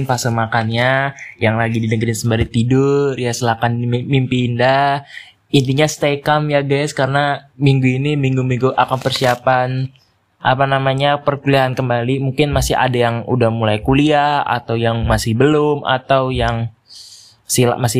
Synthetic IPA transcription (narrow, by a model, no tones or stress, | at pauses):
npasəmakanɲajaŋlaɡididəŋɡəɾɪnsəmbaɾit̪idʊrjasəlakanmimpinda | int̪iɲast̪ekamjaɡajskaɾənamiŋɡuinimiŋɡumiŋɡuʔakanpərsiapan | ʔa̰panamaɲapərkuliaɦankəmbalimuŋkɪnmasɪha̰dajaŋṵdahmulajkuliaha̰t̪awjaŋmasɪhbəlʊma̰t̪awjaŋ | sila̰ʔmasɪ